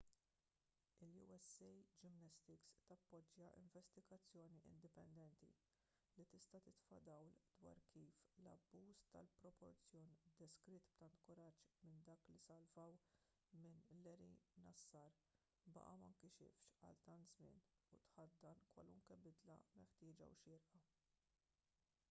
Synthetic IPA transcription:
ɪljṵɛsɛjd͡ʒɪmnɐst̪ɪkst̪ɐpːɔd͡ʒːjɐʔɪ̰ɱvɛst̪ɪɡɐt͡sːjɔːniʔɪ̰nd̪ɪpɛnd̪ɛnt̪ḭ | lit̪ɪst̪ɐt̪ɪt̪fɐ̰d̪ɐwld̪wɐ̰ːɾkiːflɐ̰bːuːst̪ɐlpɾɔpɔɾt͡sjɔːnd̪ɛskɾɪt̪bt̪ɐnt̪kʊɾɐt͡ʃːmɪnd̪ɐːklisɐlvɐw | mɪnlɛɾḭnɐsːɐːɾ | bɐ̰ʔɐmɐŋkiʃɪ̰fʃɐ̰lt̪ɐnt̪zmɪ̰ːn | ut̪ħɐt̪̚d̪ɐnkwɐ̰lʊ̰ŋkɛbɪd̪lɐ̰mɛħt̪ɪːd͡ʒɐ̰wʃɪːɾʔɐ

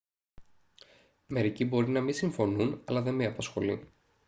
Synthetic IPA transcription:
me̞ɾicibo̞ɾinɐmisiɱfo̞nunɐlɐðe̞meɐpɐsxo̞li

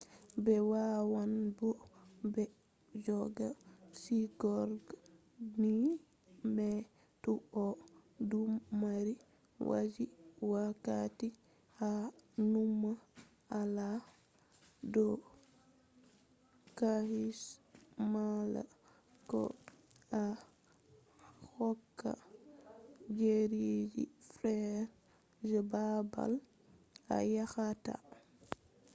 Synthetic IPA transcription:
bɛwawanbɔbɛ | d͡ʒɔɡasiɡɔɾɡ | ni | bɛ | tuʔɔdumːaɾi | wʔa̰d͡ʒiwakati | hanumːa | ala | dɔ | kahismala̰ | kɔ̰ | a | hɔkːa̰ | d͡ʒeɾed͡ʒḭfɾɛɾ | d͡ʒɛbaba̰l | a̰jaxata̰

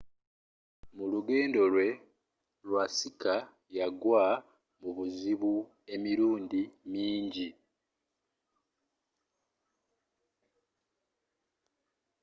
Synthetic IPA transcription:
muluɡe̞ːndo̞lwe̞ | lwasika | jaɡwaː | muβuziβu | e̞miɾuːndimiːɲɟi

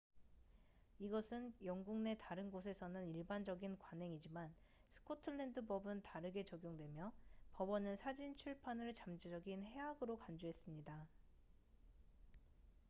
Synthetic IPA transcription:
iɡʌsʰɯnjʌŋɡuŋne̞taɾɯnɡosʰe̞sʰʌnɯniɭband͡ʑʌɡinkwanɦe̞ŋid͡ʑimansʰɯ̥kʰotʰɯɭːe̞ndɯbʌbɯntaɾɯɡe̞t͡ɕʌɡjoŋdwe̞mjʌpʌbʌnɯnsʰad͡ʑint͡ɕʰuɭpʰanɯɭt͡ɕamd͡ʑid͡ʑʌɡinhe̞aɡɯɾokand͡ʑoɦe̞s͈ɯmɲida

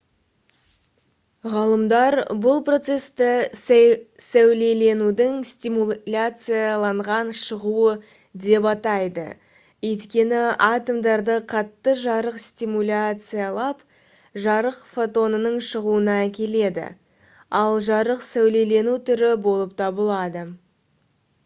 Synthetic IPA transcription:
ʁɑlˠəmd̪ɑɾbʊlˠpro̞t̪se̞st̪ɪ | sæwle̞le̞nud̪ɪŋst̪ʲimulʲat̪sɨjalˠɑɴʁɑnʃəʁuə | d̪e̞pɑt̪ɑjd̪ə̰ | ɵjt̪kʲe̞nɪat̪omd̪ɑɾd̪əqʰɑt̪ːəʒɑɾəqst̪ʲimulʲat̪sɨjalˠɑp | ʒɑɾəqfo̞t̪o̞nənəɴʃəʁuənɑækʲe̞le̞d̪ɪ̰ | ɑlˠʒɑɾəqsæwle̞le̞nut̪ʰʏɾɪbo̞lˠəp̚t̪ʰɑbəlˠɑd̪ə

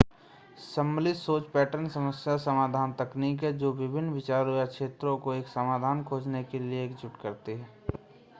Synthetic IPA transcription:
səmːlɪsoːt͡ʃpɛːʈəɾnsəməsjasəmaːd̪ʱaːnt̪ɐkniːkɦɛd͡ʒoːʋɪbʱɪnːʋɪt͡ʃaːɾojakʃeːt̪ɾõkoeːksəmaːd̪ʱaːnkʰoːd͡ʒnekelieeːkd͡ʒʊʈkəɾt̪iɦɛː

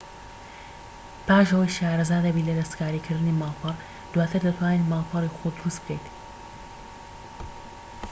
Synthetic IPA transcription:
paːʃɐwəjʃaːɾɐzaːd̪ɐbiːlɐd̪ɐst̪kaːɾiːkʰɨɾd̪ɨniːmaːlˠpʰɨrˤ | d̪̥waːt̪ʰɨɾd̪ɐt̪ʰwaːnemaːlpʰɨɾiːxod̪ʊɾust̪̚b̚kejt̪

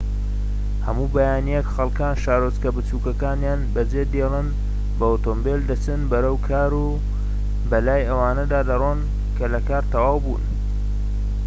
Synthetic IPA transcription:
hɐ̰muːbɐjaːnijekxɐlˠkaːnʃaːɾozkɐbɨt͡suːkɐkaːnjaːnbɐd͡zed̪elˠɨn | bɐot̪oːmbeld̪ɐt͡sɨnbɐɾɐwkʰaːɾu | bɐlaːjɐwaːnɐd̪aːd̪ɐron | kʰɐlɐkaːɾt̪ɐwaːwbṵːn

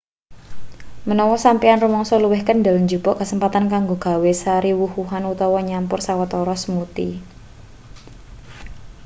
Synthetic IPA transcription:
mənɔwɔsampianrumɔŋsɔluwɪhkənɖa̤lɲd͡ʒṳbɔʔkəsəmpat̪ankaŋɡoɡ̥a̤wesaɾiwuhuɦanut̪ɔwɔɲampʊrsawat̪ɔɾɔsəmut̪ḭ

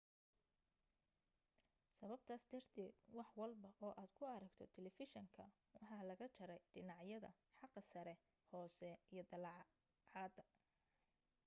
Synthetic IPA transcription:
sɐβɐb̚t̪ʰaːsd̪ɐrt̪ʰɛːd̪wɑħwɑlbɐʔɔːʔaːd̪̥kʰʊɐɾɐɡt̪ʰɔt̪ʰɛlɛfɪʃɔŋkʰɐ | wɑħɑːlɐɣɐt͡ʃʰɐɾɛjɖɪnɑʕjɐðɐ̰ | ħɑqːɐsɐɾɛ | hɔːsɛijɞd̪ɐl | ʕɑːd̪ɐ

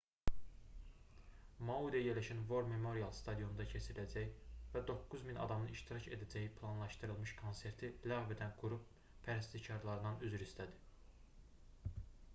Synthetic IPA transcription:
mɑud̪ɑjeɾlæʃænvo̞ɾme̞mo̞ɾiɑlˠst̪ʰɑd̪ijo̞nd̪ɑcʰet͡ʃʰiɾilæd͡ʒæjvæd̪o̞kːuzminɑ̰d̪ɑmɯiʃt̪iɾɑcʰe̞̰d̪æd͡ʒæjipʰlˠɑnlˠɑʃt̪ɯɾɯlˠmɯʃkʰo̞nse̞ɾt̪ʰilɑɣve̞d̪ænɡuɾup̚ | pʰæɾæst̪icʰɑɾlˠɑɾɯnɑnyzyɾist̪æd̪i̥

